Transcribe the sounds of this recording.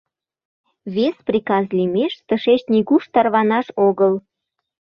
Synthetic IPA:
βesprʲikɑzlʲimeʃt̪əʃet͡ɕnʲiɣuʃt̪ɑrβɑnɑʃoɣəl

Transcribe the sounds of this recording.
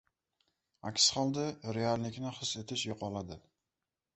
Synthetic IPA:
a̰kʲsχɒlˠd̪ɪɾealnɪkʲnɪχɨse̞t̪ʰɪʃjoqɒlad̪ɪ

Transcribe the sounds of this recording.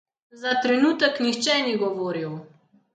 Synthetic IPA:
zat̪ɾɛnuːt̪əknixt͡ʃɛniɡɔʋoːɾiw

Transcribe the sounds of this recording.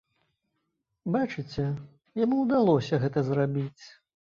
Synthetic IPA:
bat͡ʂɨt͡sʲɛ | jamuwd̪alˠɔsʲɐɣɛt̪ɐzrabʲit͡sʲ

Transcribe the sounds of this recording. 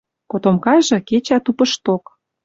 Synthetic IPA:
kot̪omkɑʒɤ̆ket͡ɕɑt̪upə̆ʃt̪ok

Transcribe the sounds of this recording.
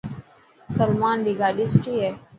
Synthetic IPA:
səlmaːnd̪iːɡaːɖiːsʊt͡ʃiːɦɛː

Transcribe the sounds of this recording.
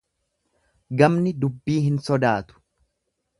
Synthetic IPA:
ɡɐmnɪd̪ʊbːiːɦɪnsɔd̪aːt̪ʊ̥

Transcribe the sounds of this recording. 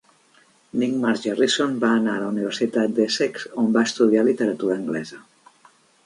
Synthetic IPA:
niɡmaɾʒerisonbaːnaələuniβəɾsit̪at̪̚d̪əsɛksombaəst̪uðialit̪əɾət̪uɾəːŋɡlɛzə

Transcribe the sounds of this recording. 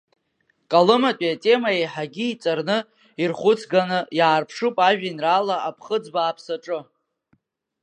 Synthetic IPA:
kʼalɨmatʼiatʼe̞maejħaɡʲiit͡sʼarnɨ | irχʷʊt͡sʰɡanɨjaːrpʰʂupʼaʒᶣinralaapʰχəd͡zbaːpʰsaʈ͡ʂʼɨ

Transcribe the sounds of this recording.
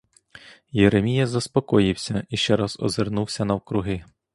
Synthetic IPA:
jeɾemʲijɐzɐspɔkɔjɪwsʲɐiʃt͡ʃɛɾɐzɔ̰zernuwsʲɐnɐwkɾʊɦɪ

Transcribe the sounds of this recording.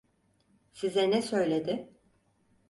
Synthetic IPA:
sizɛnɛsø̞jlʲed̪ɪ

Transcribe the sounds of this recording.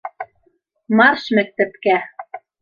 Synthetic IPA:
mɑrʃmɘ̆k̚t̪ɘ̆t̪kæ

